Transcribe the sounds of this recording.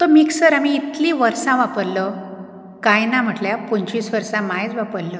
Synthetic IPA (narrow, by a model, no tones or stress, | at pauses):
t̪omiːksəɾamiːt̪lĩʋəɾsãʋapəɾlə | kajnam̤əʈljapoɲt͡ɕisʋəɾsãmajt͡sʋapəɾlə